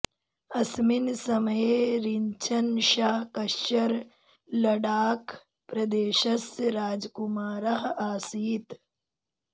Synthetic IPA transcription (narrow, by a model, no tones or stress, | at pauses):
ɐsminsɐmɐjeɾiɲt͡ʃʰɐnʃaːɦkɐʃɐɾ | lɐɖaːk | pɾɐd̪eːʃɐsɾaːd͡ʒkumaːɾɐɦaːsiːt̪